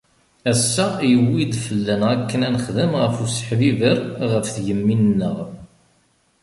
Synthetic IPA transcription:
æsːæjəwːid̪fəlːænʁækːənænəχðəmʁəfusə̥ħðivəɾʁəfθʝəmːinnːəʁ

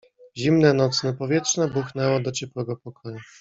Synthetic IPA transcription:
ʑimnɛnɔt̪snɛpɔvʲjɛtʂnɛbuxnɛwɔd̪ɔt͡ɕɛpwɛɡɔpɔkʰɔju

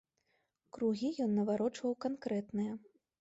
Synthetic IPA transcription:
kɾuɣʲijɔnːɐvaɾɔt͡ʂvɐwkankɾɛt̪nɨjɐ

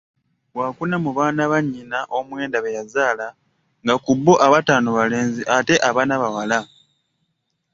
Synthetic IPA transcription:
waːkunamuβaːnaβaɲːinaʔomwe̞ːndaβejazaːla | ŋɡakubːoʔaβataːnoβale̞ːnziʔate̞ʔaβaːnaβawala

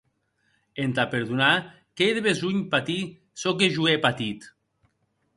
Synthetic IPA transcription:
ent̪apeɾðuna | keðeβezuɲpat̪i | sok̬eʒuepat̪it̪

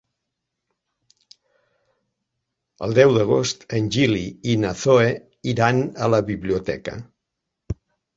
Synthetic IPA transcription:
ə̰lˠd̪ɛwðəɣ̞ost̪ənʲʒiliinaθoe | iɾanələβiβliut̪ɛ̰kə̰

